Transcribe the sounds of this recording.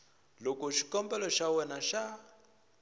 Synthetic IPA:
lɔkɔʃikɔmbɛlɔʃawɛnaʃa

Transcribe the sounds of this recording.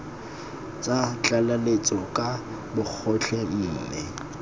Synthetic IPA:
t͡sʼat͡ɬʼalalet͡sʼɔkʼa | bʊk͡xʰɔɬʰɛm̩ːnɛ

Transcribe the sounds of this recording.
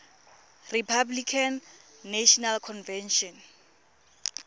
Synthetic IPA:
ripʰablikʰanːaʃɔnalkʰɔnvɛnʃɔn

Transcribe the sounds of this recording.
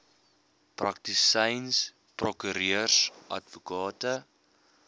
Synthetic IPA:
prɐk̚tisəjns | prɔkyɾiərsʔɐ̰tvukɑːtə

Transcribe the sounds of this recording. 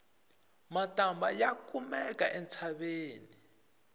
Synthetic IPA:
matamba̰jakumɛkaʔɛnt͡sʰaɓeːni

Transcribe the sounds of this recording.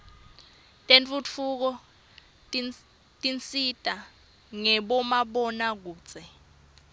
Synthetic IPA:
tʼent͡fʼut͡fʰuk̬ɔ | tʼint͡sitʼa | ŋɛɓɔmaɓɔnak̬u̥ːt͡sʼɛ

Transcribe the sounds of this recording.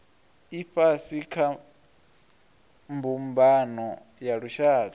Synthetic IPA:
iɸasikʰa | mbumbanɔ | jaɺuʃaːta

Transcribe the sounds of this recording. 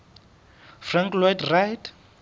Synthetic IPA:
fraŋklwɔjtrajt

